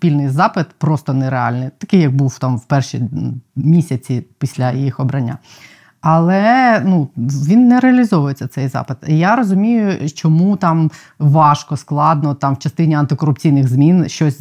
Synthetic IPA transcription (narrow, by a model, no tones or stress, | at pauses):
spʲilʲnɪjzɑpɪt̪pɾɔst̪ɔnɛɾeɑ̰lʲnɪt̪ɐkɪjɐɡ̚buwt̪ɑmwpɛrʃimʲisʲɐt͡sʲipʲisʲlʲɐjijixɔbɾɐnʲːa̰ | ɐlˠɛnuʋʲinːɛɾeɐlʲizɔʋʊjet͡sʲːɐt̪sɛjzɑ̰pɪt̪jaɾɔzʊmʲijʊt͡ʃɔmut̪ɑm | ʋɑʃkɔsklˠɑd̪nɔt̪ɑmwt͡ʃɐst̪ɪnʲiɐnt̪ɪkɔɾʊpt͡sʲijnɪɣzmʲinʃt͡ʃɔsʲ